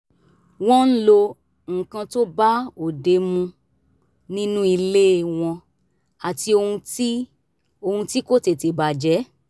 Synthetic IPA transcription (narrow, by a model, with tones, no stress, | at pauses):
w̃ɔ̃˦n̩˦lo˧ | ŋ̩˨kã˧to˦ba˦o˨de˧mũ˧ | nĩ˦nũ˦i˧le˦˨w̃ɔ̃˧ | a˨ti˧o˧hũ˧ti˦ | o˧hũ˧ti˦ko˦˨te˧te˨ba˨d͡ʒɛ˨˦